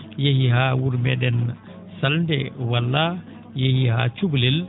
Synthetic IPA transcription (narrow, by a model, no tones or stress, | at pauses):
jehiɦawuɾmɛɗɛn | salndɛwalːa | jehiha̰t͡ʃuɡlil